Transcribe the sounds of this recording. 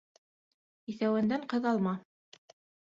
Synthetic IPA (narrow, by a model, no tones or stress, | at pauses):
iθæwɘ̆nd̪æɴqɤ̆ðɑlˠmɑ